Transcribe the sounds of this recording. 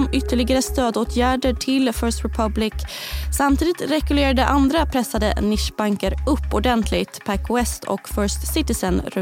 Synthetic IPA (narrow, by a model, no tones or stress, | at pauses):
mʏt̪ʰːəɭɪɡaɾəst̪øːd̪oːt̪ʰjæːɖəʈʰɪlfœːst̪ɾɛpʰablɪksamt̪ʰiːd̪ɪt̪ɾɛkʉleːɾad̪əʔand̪ɾapʰɾɛsːad̪ə̰nɪʂbaŋkəɾɵpːɔɖɛnt̪ʰlɪɡt̪pʰækwɛst̪ʰɔ̰kfœːst̪sɪt̪ɪsənɾ